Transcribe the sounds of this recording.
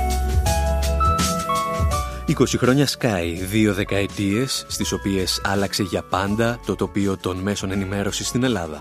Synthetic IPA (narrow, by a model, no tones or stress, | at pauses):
iko̞sixɾo̞ɲɐskɐiðio̞ðe̞kɐe̞t̪ie̞sːt̪iso̞pie̞sɐlɐkse̞ʝɐpɐnd̪ɐt̪o̞t̪o̞pio̞t̪o̞nme̞so̞ne̞nime̞ɾo̞sist̪ine̞lɐðɐ̰